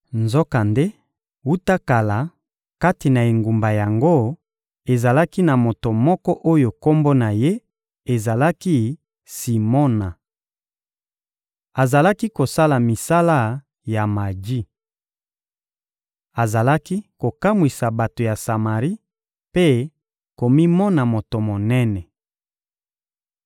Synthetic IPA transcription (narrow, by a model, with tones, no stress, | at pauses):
nzɔ˦ka˨nde˦ | wu˦ta˦ka˨la˨ | ka˦ti˨na˨e˨ŋɡu˨mba˨ja˨ŋɡo˦ | e˨za˨la˦ki˦na˨mo˨to˨mɔ˦kɔ˦ʔo˦jo˨ko˦mbo˦na˨je˦ | e˨za˨la˦ki˦ | si˨mɔ˦na˨ | a˨za˨la˦ki˦ko˨sa˦la˨mi˨sa˦la˦ | ja˨ma˨d͡ʒi˦ | a˨za˨la˦ki˦ko˨ka˦mwi˨sa˨ba˨to˨ja˨sa˨ma˨ʁi˦ | pe˦ | ko˨mi˦mɔ˦na˨mo˨to˨mo˨nɛ˦nɛ˨